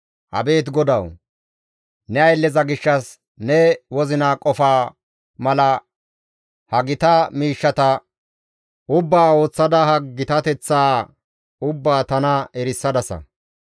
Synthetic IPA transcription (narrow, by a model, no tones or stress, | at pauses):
ʔɐ̰be̞ːt̪̬ɡɔd̪ɐw | nɛɐjlːɛzɐɡɪʃːɐs | nɛwɔzɪnaːkʼɔfaː | mɐlɐ | hɐɡɪt̪ɐmiːʃːɐt̪ɐ | ʊbːaːo̞ːt͡sːɐd̪ɐhɐɡɪt̪ɐt̪ɛt͡sːaː | ʊbːaːt̪ɐnɐɛɾɪsːɐd̪ɐsɐ̰